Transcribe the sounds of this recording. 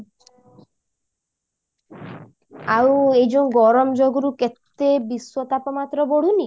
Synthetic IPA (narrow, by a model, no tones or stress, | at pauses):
awejd͡ʒɔnɡɔɾɔmɔd͡ʒoɡɔɾuket̪ebiswɔt̪apɔmat̪ɾɔbɔɽ̤uni